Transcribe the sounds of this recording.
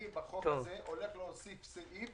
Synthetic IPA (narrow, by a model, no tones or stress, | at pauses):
ibaχokt̪oazeʔole̞χleosifseʔi